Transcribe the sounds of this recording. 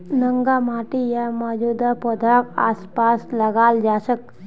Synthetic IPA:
nəŋɡamaːʈijamad͡ʒud̪apɔd̪ʱaka̰ːspasləɡaːld͡ʒasək̚

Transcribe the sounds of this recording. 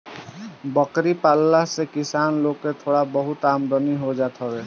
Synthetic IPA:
bɔkɾipalːasekisanlokːet̪ʰoɽabɔɦut̪amɾɔniɦod͡ʒat̪ʰɔbe

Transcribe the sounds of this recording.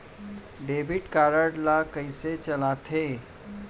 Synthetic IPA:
ɖeːbʱiʈkaːɾəɖlakəɪset͡ʃəlat̪ʰe

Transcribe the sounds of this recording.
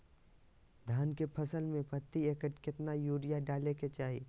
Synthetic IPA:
d̪ʱaːnkepʰɐsəlmẽpɐt̪ːieːkəʈkɪt̪najuːɾɪjaɖaːleket͡ʃaːɦi

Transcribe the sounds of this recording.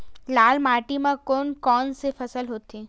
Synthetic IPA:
laːlmaːʈimãkoːnkɔːnsefɐsəlɦoːt̪eː

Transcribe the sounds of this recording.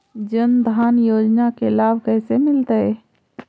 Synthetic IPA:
d͡ʒənd̪ʱaːnjoːd͡ʒnakelaːbʱkɛːsemɪlt̪əɛ

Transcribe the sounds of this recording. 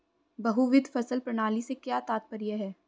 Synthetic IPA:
bɐɦuʋɪd̪ʱfɐsəlpɾɐɽ̃aːlisekjaːt̪aːt̪̚pɐɾjeɦɛː

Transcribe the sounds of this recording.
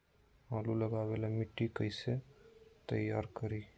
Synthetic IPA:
aluləɡaβelamiʈːikəjset̪əjaɾkəɾi

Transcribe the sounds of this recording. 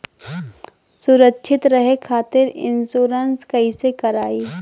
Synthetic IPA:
sʊɾəkːʃʰɪt̪ɾɐɦekʰaːt̪ɪɾɪ̰nsoːɾənskɐisekɐɾaːiː

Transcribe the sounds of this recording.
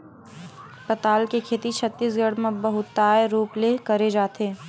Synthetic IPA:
pɐt̪aːlkekʰeːt̪it͡ʃʰɐt̪ːiːsɡɐɽ̤mẽbɐɦʊt̪ːaːeɾuːplekɐɾed͡ʒaːt̪eː

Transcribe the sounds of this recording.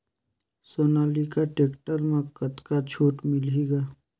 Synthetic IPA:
soːnaːlikaʈeːkʈəɾmẽkət̪kat͡ʃʰoːʈmɪliɡaː

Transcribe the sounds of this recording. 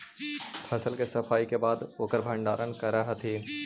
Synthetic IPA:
pʰɐsəlkesɐpʰaːikebaːd̪oːkəɾbʱɐ̃ɳɖaːɾənkɐɾaɦɐt̪ʰeː

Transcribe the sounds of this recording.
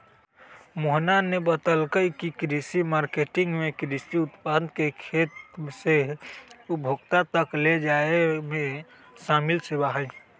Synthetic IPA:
moɦnanebət̪əlkəjkikɾisimaɾkeʈiŋɡmekɾisiut̪pad̪kekʰet̪se | ubʱoɡt̪at̪əkled͡ʒaeme | samilsebaɦəj

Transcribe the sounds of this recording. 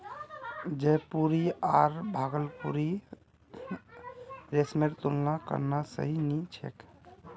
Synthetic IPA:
d͡ʒepuɾiaɾbʱaɡəlpṵɾi | ɾesmeʈt̪ulnakə̰ɾnasə̰ɦinit͡ʃʰḛk

